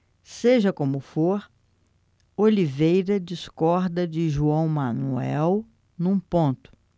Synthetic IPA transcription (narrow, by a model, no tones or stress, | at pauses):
seʒɐkõmʊfoɾ | olivejɾɐd͡ʒiskɔɾd̪ɐd͡ʒɪʒuɐ̃w̃mɐ̃nuɛɛw | nũpõnt̪ʊ̥